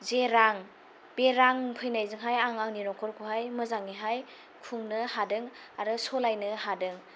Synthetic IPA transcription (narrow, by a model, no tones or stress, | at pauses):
zeɾaŋ | b̥eɾaŋpʰɯjnajzɯŋɦajaŋaŋniɾɔkʰɔɾkʰuɦajmɯzaŋːiɦaj | kʰuŋnɯhadɯŋ | aɾɯsɔlajnɯhadɯŋ